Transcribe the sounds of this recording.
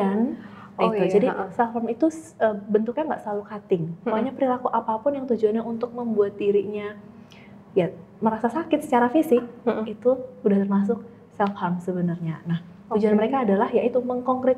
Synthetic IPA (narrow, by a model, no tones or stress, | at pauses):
an | iud͡ʒadisɛlfhamit̪u | əbənt̪ʊk̚ɲaŋɡa̰ʔsəlalukat̪ɪŋaaɲapəɾilakuʔapapʊnjaŋt̪ud͡ʒuanɲaunt̪ʊk̚məmbuat̪̚diɾiʔɲa | ja | məɾasasakɪt̪sə̥t͡ʃaɾafisɪk̚it̪uudaht̪ərmas̬ʊk̚ | sɛlfhamsəbənərɲa̰nah | tud͡ʒuanməɾekaːdalahjait̪uməŋkɔŋkɾɪt̪̚